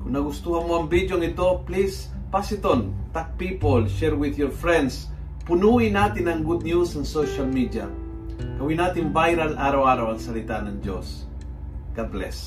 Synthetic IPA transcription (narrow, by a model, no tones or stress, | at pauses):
kʊŋnɐɡʊst̪uhɐnmoɐŋbidjoŋɪt̪o̞plis | pasɪt̪ont̪ak̚pipolʃɛɹwɪðjɔɹfɹɛ̃nd̪s | pʊnuːʔɪnaːt̪ɪnɐŋɡud̪̚njusɐŋsoʃalmid̪ia̰ | ɡɐwinaːt̪ɪnbajɾalʔaːɾawaːɾɐwɐŋsɐlɪt̪anɐŋd͡ʒo̰s | ɡ̥ablɛ̰s